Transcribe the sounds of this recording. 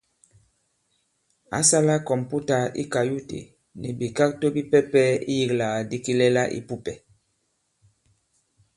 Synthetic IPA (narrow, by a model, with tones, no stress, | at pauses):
a̰˦sa˦la˦kɔ˨mpu˦ta˨ḭ˦ka˨ju˦tḛ˨ | nḭ˨bi˨ka˦k̚to˦bi˦pɛ˦pɛ˦ḭ˦ji˨kla˨a˨di˦ki˦lɛ˦la̰˦ʔḭ˨pu˦pɛ˨